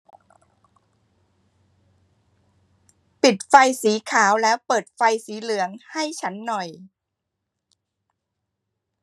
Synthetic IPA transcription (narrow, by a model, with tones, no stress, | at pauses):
pi˨˩t̪̚fa˧jsiː˩˦kʰaː˩˦wlɛː˦˥wpɤː˨˩t̪̚fa˧jsiː˩˦lɯ˩˦əŋha˥˩jt͡ɕʰa˦˥nːɔ˨˩j